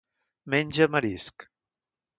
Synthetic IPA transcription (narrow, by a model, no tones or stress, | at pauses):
menʲʒəməɾisk